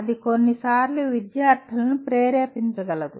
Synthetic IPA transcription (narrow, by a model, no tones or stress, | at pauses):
ɐd̪ikonːisaːɾluʋid̪jaːɾt̪ʰɐlɐnupɾeːɾeːpint͡ʃɐɡɐlɐd̪u